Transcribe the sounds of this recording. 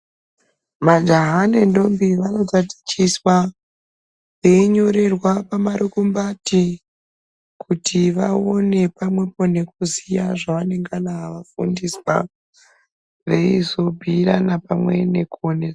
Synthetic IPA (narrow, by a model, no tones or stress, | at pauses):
mad͡ʒaɦanendo̞mbiʋano̞d͡zati̥t͡ʃiswa | je̞iɲo̞ɾe̞rwapamaɾikumbati | kʰutʰiʋao̞ne̞pamwe̞po̞ne̞kuzijaʐaʋane̞ŋɡanaɦaʋafṵndiswa̰ | ʋe̞izo̞bʱiɾa̰napamwe̞̰ne̞konea